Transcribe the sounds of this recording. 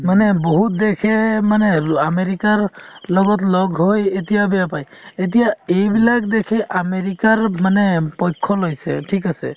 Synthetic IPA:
manɛbɔɦut̚d̪ekʰɛmanɛameɹikaɹlɔɡɔt̬lɔɡɦojetijabɛjapajet̬ijaejbilak̚dekʰɛʔameɹikaɹmanɛpɔjkʰːɔlojsɛ̰ʈʰikasḛ

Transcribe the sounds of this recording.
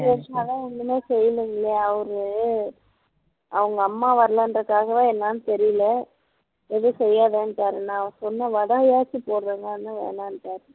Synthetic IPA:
ʋɛʂɐaːðãːɛnːɯmeːsɛjːlɯŋɡɐɭɪɐɐʋɐɾɯ | ɐʋɐŋɡɐːmːaːʋɐɾɐlɐndrɐkːaːɣɐʋãːɛnːaːnɯt̪ɛɾɪjlɐ | ɛðɯsɛjːaːðeːnʈːaːɾɯ̃nãːɐʋɐ̃sɔnːɐʋɐðɐɐjaːt͡ʃːɯpoːɾɾɯŋɡɐɐnːɯʋḛːnaːnʈaːɾɯ

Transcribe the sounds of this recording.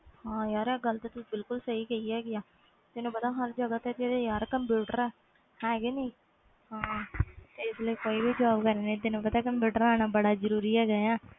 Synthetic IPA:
hãːjaːɾɛːɡəlt̪eːt̪ʊsiːbɪlkʊlsəiːkəiɛːɡɪjaː | t̪ɪnũːpət̪aːɦəɾd͡ʒəɡət̪ɛːt̪id̪ejaːɾɛkəmpjuːʈəɾɛː | hɛ̃ːɡeːnĩː | hãːt̪eːɪsləiːkoːibiːd͡ʒaːbkəɾeːnẽt̪ɪnũːpət̪aːkəmpjuːʈəɾaːnaːbəɽaːzəɾuːɾiːɛːɡəjaː

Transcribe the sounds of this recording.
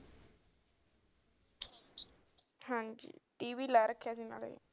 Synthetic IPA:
hãːɲd͡ʒḭʈiːʋiːlaːɾəkʰːasina̰ːlḛj̰

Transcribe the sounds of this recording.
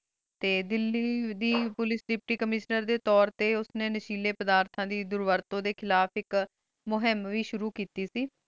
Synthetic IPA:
t̪eːd̪ɪlːiːd̪iːpʊlɪsɖɪpʈiːkəmɪʃnəɾd̪eːt̪ɔːɾt̪eːʊsnẽːnəʃiːleːpəd̪aːɾt̪ʰãːd̪iːd̪ʊɾʋəɾt̪õːd̪eːkʰɪlaːpʰɪk | mʊɦɪmʋiːʃʊɾuːkiːt̪iːsiː

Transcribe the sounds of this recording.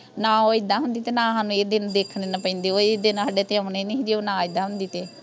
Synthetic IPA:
nãːoːɪd̪aːɦʊ̃nd̪iːt̪eːnãːɦãːnũːeːd̪ɪnd̪eːkʰnenapə̃ɪ̃ːnd̪eːoːeːd̪ɪnəɖeːt̪eaneːned͡ʒiːoːnãːɪd̪ãːɦʊnd̪iːt̪eː

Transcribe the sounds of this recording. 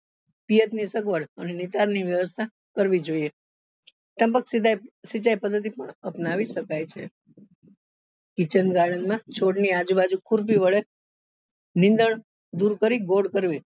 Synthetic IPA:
pijət̪nisəkʋəɽənenit̪aɾniʋjəʋəst̪ʰa | kəɾʋid͡ʒoie | ʈ̪ə̃mpəksasit͡ʃajpəd̪ːət̪̬ipəɳəpnaʋiʃəkajt͡ʃʰḛ | kit͡ʃənɡaɽənmãt͡ʃʰoɽniad͡ʒubad͡ʒukʰuɾp̬iʋəɭe | nɪ̃nd̪əɳ | d̪uɾkəɾiɡoɽɖkəɾʋi

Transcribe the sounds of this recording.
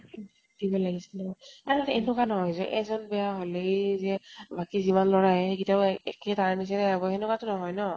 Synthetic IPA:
dibɔlaɡisɛnɔɔaɹatenʊkanɔɦɔjzɔʔɛzɔnbɛjaɦolejzɛbakizimanlɔɹajɛkitaɛ̰ketaɹnis̬ɛɾɛabɔenʊkatʊnɔɦɔjnɔ

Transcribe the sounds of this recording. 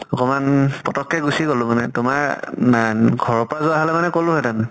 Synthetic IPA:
ɔkɔmanpɔtɔkːɛɡusiɡolʊmanɛtʊmaɹaɡʱɔɹɔpɔɹazʊaɦalɛmanɛkolʊɦɔtan

